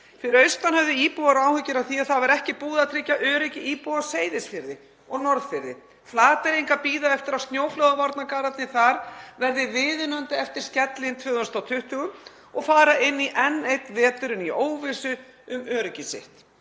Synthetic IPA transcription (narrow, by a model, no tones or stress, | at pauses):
fɪɾɪɾœɥst̪anhœvðɪiːpuaɾaːwhʏcɪɾaθiaðθavɛɾɛhcɪpuːðaðt̪ʰɾɪcːaʔœːɾɪcɪiːpuaseːjðɪsfɪɾðɪ | ɔɣnɔɾðfɪɾðɪ̰ | flaːt̪ɪɾijŋkapiːðaɛft̪ɪɾawst̪njoːwflœɣavɔɾt̪nakaːɾat̪nɪθaɾvɛɾðɪvɪːðɪnant̪ɪɛft̪ɪɾ̥scɛt̪lɪnt̪ʰvœːðʏnst̪awt̪ʰʏht̪ʏɣʏm | ɔɣfaːɾaʔɪnːiʔɛnːejt̪vɛːt̪ʏɾʏnioːwvɪsʏ | ʏmœːɾʏcɪsɪ̰ht̪